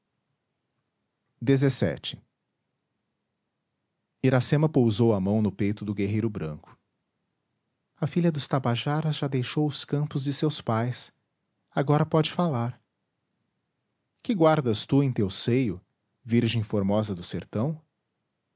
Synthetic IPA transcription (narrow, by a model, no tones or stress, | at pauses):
d̪ezesɛ̰t͡ʃɪ̥ | iɾasẽmɐpowzowɐmɐ̃w̃nʊpejt̪ʊd̪ʊɡeɦejɾʊbɾɐ̰̃kʊ̥ | ɐfiʎʲɐd̪ʊst̪abaʒaɾɐzʒad̪ejʃowʊskɐ̃mpʊzd͡ʒɪsewspajs | aɡɔɾɐpɔd͡ʒɪfalaɾ | kɪɡwaɾd̪ɐst̪uẽj̃t̪ewsejʊ | viɾʒẽj̃foɾmɔzɐd̪ʊseɾt̪ɐ̃w̃